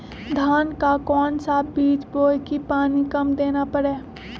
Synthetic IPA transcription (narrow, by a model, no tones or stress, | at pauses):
d̪ʱaːnkakɔːnsabiːt͡ʃboːjkipaːnikɐmd̪eːnapəɽeː